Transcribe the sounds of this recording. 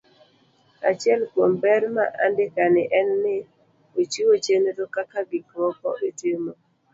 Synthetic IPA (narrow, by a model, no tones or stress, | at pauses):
a̰t͡ʃɪɛlkwombɛɾma̰ʔa̰ndɪkanɪʔɛnːɪ | ot͡ʃiwot͡ʃeneɾokakaɡɪkɾɔpɔ̰ʔetɪmo